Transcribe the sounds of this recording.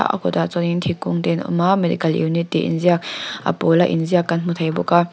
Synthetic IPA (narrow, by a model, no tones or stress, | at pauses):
a̰ʔa̰kɔt̪at͡sɔnint̪ʰikʊŋt̪ɛnɔ̰mamed̪ḭkɐlʔḭwnit̪̚ːiʔḭnziak̚ʔa̰polaʔḭnziakːɐnm̥ut̪ʰejbuka